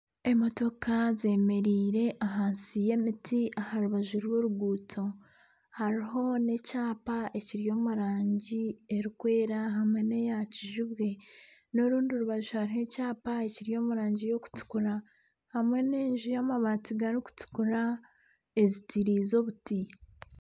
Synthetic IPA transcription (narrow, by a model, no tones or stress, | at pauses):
e̞mo̞to̞kaze̞me̞ɾiːɾe̞ʔaɦaːnsije̞mitiahaɾuβaʒuɾwoːɾuɡuːtʰo̞ | haɾiɦo̞ne̞caːpaʔe̞ciɾjo̞ːmuɾaːɲɟie̞ɾikwe̞ːɾaɦamwe̞ne̞jaciʒuβwe̞no̞ɾuːndioɾuβaʒuhaɾiho̞caːpae̞ciɾjo̞ːmuɾaːɲɟijo̞ku̥tu̥kuɾa | hamwe̞ne̞ːɲʒujaːmaβaːtiɡaɾiku̥tu̥kuɾa | e̞zitiɾiːzo̞βuti